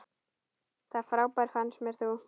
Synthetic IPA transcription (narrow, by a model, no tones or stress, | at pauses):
θaðfɾaːwpaɾ̥fansmɛɾ̥θu